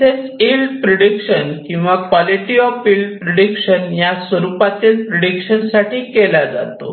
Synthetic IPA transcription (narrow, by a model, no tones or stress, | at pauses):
set͡silɖpɾəɽikɕənkĩw̃ʋakʋɔliʈiɔfilɖpɾeɽikʂənjasʋəɾupat̪ilpɾeɽikɕənsaʈʰiːkɛlad͡za̰t̪o̰